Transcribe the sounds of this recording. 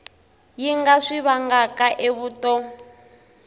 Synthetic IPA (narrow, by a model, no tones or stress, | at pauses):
jiŋɡaʂiβaŋɡakaʔeβuːtɔ